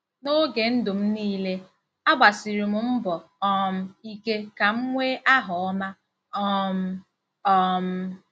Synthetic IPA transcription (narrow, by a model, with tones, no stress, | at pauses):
no˦ɡe˨n̩˦dʊ˨m̩˦niː˦le˦ | a˦ɡ͡ba˨si˨ɾi˨m̩˨m̩˦bɔ˨ | ɔ˦m̩˦i˦ke˦ka˨m̩˦ŋʷeː˦ʔa˦ɦɔ˨ɔ˦ma˦ | ɔ˦m̩˦ | ɔ˦m̩˦